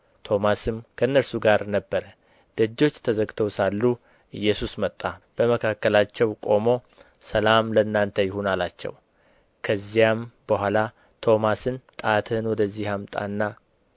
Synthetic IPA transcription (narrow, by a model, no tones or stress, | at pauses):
t̪ʰo̞masɨmkʰəɨnːəɾsuɡaɾnəbːəɾə | d̪̥əd͡ʒːo̞t͡ʃːt̪ʰəzəɡt̪ʰəwsalːu | ʔɨjːɛsusmət̪ʼːab̥əməkʰakːəlat͡ʃːɛwkʼo̞mo̞ | səlamləɨnːant̪ʰəjɪɦunalat͡ʃːɛ̰w | kʰəzːijambəhʷala | t̪ʰo̞masɨnt̪ʼat̪ʰɨnwɔd̪əzːihamt̪ʼa̰nːa